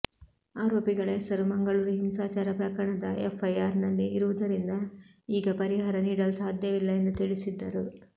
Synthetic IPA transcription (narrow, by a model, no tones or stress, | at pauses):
aːɾoːpiɡɐɭeːsɐɾumɐŋɡɐɭuːɾiɦimsaːt͡ʃaːɾɐpɾɐkɐɾɐɳɐd̪ɐʔefʰɐjaːɾnɐlːiːɾuʋud̪ɐɾind̪ɐiːɡɐpɐɾiɦaːɾɐniːɽɐlusaːd̪ʱjɐʋilːɐe̞nd̪ut̪iɭisid̪ːɐɾu